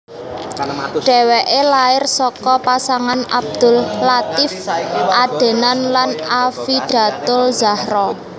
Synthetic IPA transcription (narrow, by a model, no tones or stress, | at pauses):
dɖ̥ɛ̤wɛʔelaɪrsɔkɔpasaŋanab̚d̪̥ʊ̤llat̪ɪfʔad̪̥e̤nanlanafiɖ̥ä̤t̪ʊlzahɾɔ